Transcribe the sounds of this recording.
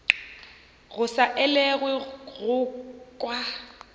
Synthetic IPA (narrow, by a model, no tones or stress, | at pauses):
ɣʊsaʔɛlɛɣwɪɣʊkʼwa